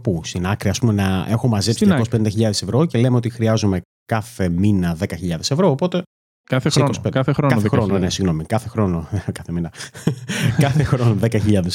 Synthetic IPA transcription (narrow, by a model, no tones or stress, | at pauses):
pust̪inɐkɾiɐspumenɐe̞xomɐzepsiɐkosi̥penid̪ɐçiʎɐðe̞se̞vɾo̞ce̞lemeot̪ixɾiɐzume̞ | kɐθe̞minɐðe̞kɐçiʎɐðe̞sevɾo̞ːpo̞t̪e̞ | kɐeseikosikɐθeɾokɐxɾononesiɣno̞mikɐθexɾo̞nokɐθeminɐ | kɐθexɾo̞noðekɐçiʎɐðes